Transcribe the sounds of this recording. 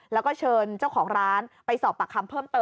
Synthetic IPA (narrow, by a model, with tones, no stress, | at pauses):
lɛː˦˥wkɔː˥˩t͡ɕʰɤː˧nt͡ɕa˥˩wkʰɔː˩˦ŋɾaː˦˥npa˧jsɔː˨˩pːa˨˩kʰːa˧mpʰɤː˥˩mt̪ɤː˧